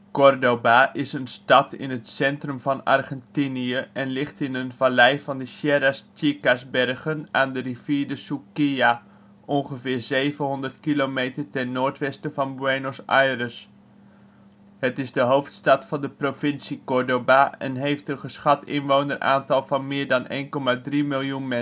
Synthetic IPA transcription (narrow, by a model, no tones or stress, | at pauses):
kɔrdobaʔɪsənstɑtɪ̰nətsɛntrɵmvɑnɑ̰rχɛntiniəɛnlɪχtɪnənvalɛjvɑndəʃjɛɾast͡ʃikasbɛrχənaːndəriviːɹdəsukija | ʔɔnχəvɪːɹzejvəɦɔndərtkilomejtəɹtɛnːoːɹtʋɛstəvɑnbwenosajrəs | hətɪzdəɦowftstɑtfɑndəprofɪnsikɔɹdobaɛ̰nɦejftənχəsχɑtɪnʋownərʔa̰ːntɑlˠvɑnmɪːɹdɑnʔḛjnkɔmadrimɪlˠjunmɛ